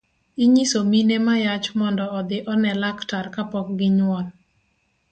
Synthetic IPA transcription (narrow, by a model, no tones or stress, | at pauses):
iɲisominemajat͡ʃmɔndɔɔd̪ɪʔɔnɛlaktarkapɔk̚ɡɪɲwɔl